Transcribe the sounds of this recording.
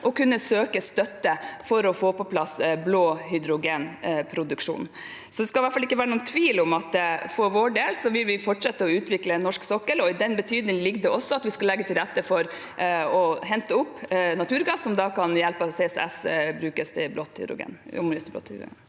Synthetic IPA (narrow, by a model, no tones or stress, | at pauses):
ʔɔkʉnːəsøːkəst̪œt̪ːəfɔɾɔfoːpɔpʰlɑsbloːhʏd̪ɾʊɡeːnpʰɾʊd̪ʉkʂṵːn | sɔd̪ɛskɑʋæʈfɑlɪkːəʋæːɾənuːnt̪ʰʋiːlɔmɑt̪fɔɾʋoːɖeːlsɔʋɪlʋɪfɔʈʂɛt̪ːəɔʉːt̪ʋɪklənːɔʂksɔkːəlɔɪd̪ɛnbət̪ʰyːd̪nɪŋlɪɡd̪ɛɔsːɔɑt̪ʋɪskɑlɛɡːət̪ʰɪlɾɛt̪ːəfɔɾ | ɔɦɛnt̪əʊpːnɑt̪ʰʉːɾɡɑsːɔmd̪ɑkʰɑnjɛlpɑsesɛ̰sbɾʉːkəst̪ʰɪblɔt̪hʏ̰d̪ɾʊ̰ɡḛːnɔ̰mjst̪ɪblo̰ːt̪